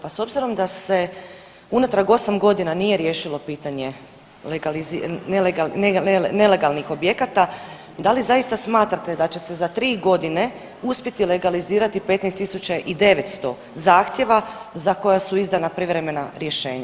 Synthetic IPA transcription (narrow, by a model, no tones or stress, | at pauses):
paso̞bziɾo̞md̪ase̞ | unat̪ɾaɡo̞samɡo̞d̪inanije̞ɾje̞ːʃilo̞piːt̪aɲe̞ | leɡalizineleɡalneene̞le̞ɡalnixo̞bje̞kat̪a | d̪alizajist̪asmaːt̪ɾat̪ed̪at͡ɕe̞se̞zat̪ɾiːɡo̞d̪ine̞ | uspje̞t̪ile̞ɡaliziːɾat̪ipe̞t̪nɛjst̪ːisut͡ɕaʔid̪e̞ʋe̞t̪st̪o̞̰ | zaːxt̪je̞ʋazako̞jasuizd̪anapɾiʋɾe̞me̞naɾje̞ʃe̞ːɲa̰